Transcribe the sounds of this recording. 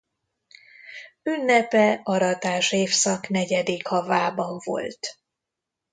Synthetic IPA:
ynːɛpɛɒɾɒt̪aːʃeːfsɒknɛɟɛd̪ikhɒvaːbɒɱvo̞̰lt̪

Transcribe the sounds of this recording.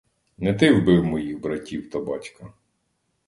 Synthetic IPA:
nɛt̪ɪwbɪwmɔjiɣbɾɐtʲiwt̪ɐbɑtʲkɐ

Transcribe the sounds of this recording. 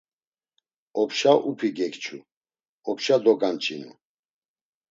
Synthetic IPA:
ɔpʰʃaʔupʰiɡɛkt͡ʃʰṵ | ɔpʰʃad̪ɔɡant͡ʃʼinṵ

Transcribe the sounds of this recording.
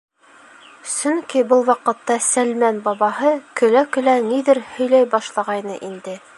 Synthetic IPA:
sɵ̆ŋkibɤlˠwɑqɤ̆t̪ːɑsælmænbɑβɑɦɤkɵ̆lækɵ̆læniðɘɾhɵ̆jlæjbɑʃlˠɑʁɑjnɤʔind̪ɘ

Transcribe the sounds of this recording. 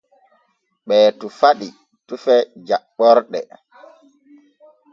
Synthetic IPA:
ɓɛːtufaɗi | tufɛd͡ʒaɓːɔɾɗɛ̰

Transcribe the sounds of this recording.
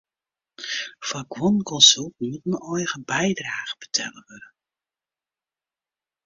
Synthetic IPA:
fakwɔnkɔnsylˠt̚nutnɔjɣəbɛjdraːχə̥b̥ə̥tʰɛ̰ləʋødə

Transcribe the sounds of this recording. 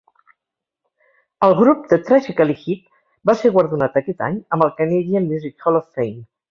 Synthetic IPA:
əlˠɣɾup̚d̪ət̪ɾaʒikəlixit̪̚ | baseɾɣwəɾðunat̪̚əkɛt̪a̰ɲəmbəlˠkəneʎiəmjuzikɔlɔfːejm

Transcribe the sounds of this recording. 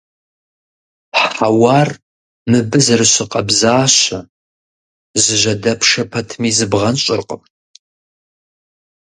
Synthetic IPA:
ħawaːr | mɨbɨzɨrɨɕɪqʼɐbzaːɕɐ | zɨʒɐdɐpʰʂɐpʰɐtʰmiːzɨbʁɐnɕʼɪrqʼəm

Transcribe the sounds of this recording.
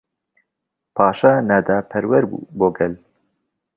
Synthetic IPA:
pʰɑːʃaːnad̪aːpʰɛɾwɛɾbṵːboːɡɛl

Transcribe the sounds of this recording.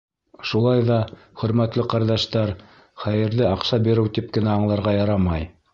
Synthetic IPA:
ʃulˠɑjðɑ | χɵ̆ɾmæt̪lɘqɑɾðɑʃt̪ɑɾ | χæjɘ̆ɾðɘɑqsɑbiɾɘwt̪ip̚kɘ̆næɑɴlˠɑɾʁɑjɑɾɑmɑj

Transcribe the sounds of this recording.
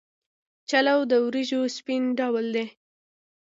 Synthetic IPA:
t͡ʃalawd̪əwɾiʒospinɖɑwəld̪e

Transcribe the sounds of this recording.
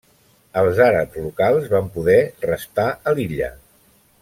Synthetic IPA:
əlˠzaɾə̰pzlukalˠzβampuðɛrəst̪aʔəliʎə̰

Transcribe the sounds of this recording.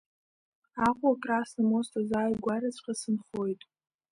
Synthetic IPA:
aqʷʼuakʼrasnamostʰʼazaːjɡʷaɾat͡ɕʷʰʼqʲʼasɨnχojtʼ

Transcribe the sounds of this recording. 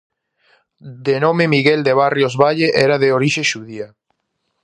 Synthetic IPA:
d̪enomemiɣeld̪eβ̞arjozβaʎeʔɛɾaðeoɾiʃeʃuðia

